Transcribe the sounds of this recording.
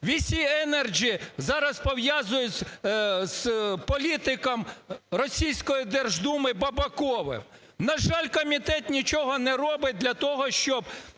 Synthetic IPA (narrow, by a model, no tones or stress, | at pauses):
ʋʲisʲiɛnɛrd͡ʒizɑɾɐspɔwjazʊjʊt͡sʲz̥pɔlʲit̪ɪkɐmrɔsʲijsʲkɔjid̪ɛrʒd̪umɪbɐbɐkɔʋɪ̰m | nɐʒɑlʲkɔmʲit̪ɛt̪nʲit͡ʃɔɦɔnɛɾɔbɪt̚ʲd̪lʲɐt̪ɔɦɔʃt͡ʃɔb